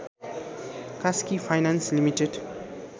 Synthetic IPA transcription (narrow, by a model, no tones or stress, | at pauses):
kaskifʰajnanslimiʈeɖ